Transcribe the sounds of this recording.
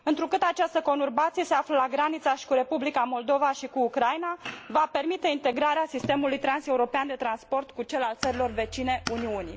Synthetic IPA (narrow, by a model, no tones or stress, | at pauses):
ɨnt̪ɾukɨt̪at͡ʃast̪əko̞nurbat̪sije̞seafləlaɡɾanit̪saʃi̥kuɾe̞publikamo̞ld̪o̞vaʃikuːkɾajnavape̞rmit̪e̞int̪e̞ɡɾaɾeasist̪e̞mulujt̪ɾanse̞uɾo̞peand̪e̞t̪ɾanspo̞rt̪kut͡ʃe̞lalt̪səɾilo̞rve̞t͡ʃine̞uniunḭ